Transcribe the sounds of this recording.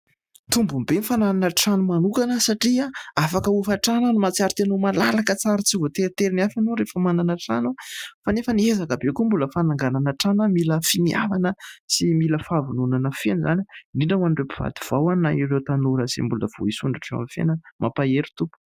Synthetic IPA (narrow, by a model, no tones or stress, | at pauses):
t̪umbumbenfanananəʈ͡ʂanumanukanəsaʈ͡ʂiaafakəufaʈ͡ʂanənumat͡siaɾit̪enomalalakət͡saɾit͡sivot̪eɾit̪eɾiniafanoɾefəmananəʈ͡ʂa̰nofanefəniezakəbekumbuləfanaŋɡananaʈ͡ʂanəmiləfinia̰vanəsimiləfavununanəfenizaniniɳɖ͡ʐəanɳɖ͡ʐepiv̥a̰d̪iv̥awannaiɾewt̪anuɾəzḛmbuləv̥o̰isuɳɖ͡ʐaʈ͡ʂea̰mifḛnəmʔapaeɾu̥t̪upu̥